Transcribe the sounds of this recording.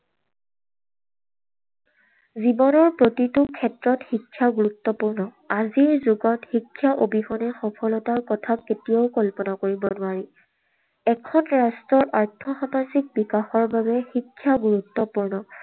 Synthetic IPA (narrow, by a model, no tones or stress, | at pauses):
zibɔnɔɹpɹotitʊkʰɛtɹɔtxikʰːjaɡuɹutːɔpuɹnɔ | aziɹzoɡɔtxikʰːjaʔobixɔnɛxɔpʰɔlɔtaɹkɔtʰaketijaʊkɔlpɔnakoɹibɔnʊaɹi | ɛkʰɔnɹastɹɔɹʔaɹtʰɔxamazik̚bikaxɔɹbabɛxikʰːjaɡuɹutːɔpuɹnɔ